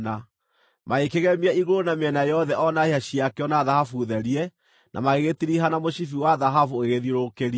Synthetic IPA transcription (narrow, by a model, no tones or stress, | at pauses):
na | maekeɣɛmiɛiɣoɾonameɛnajɔðɛʔɔnaeaɕiakɛɔnaðahafuðɛɾiɛ | nʔa̰maɣeɣetiɾiɦanamoɕifiwaðaɦafuoɣeɣeðiɾokeɾi